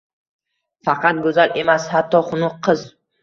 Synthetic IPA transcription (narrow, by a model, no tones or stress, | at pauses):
fɑqʰɑt̪̚ɡɵzalʔe̞mashat̪ʰːɒχʊnʊqʰːɨz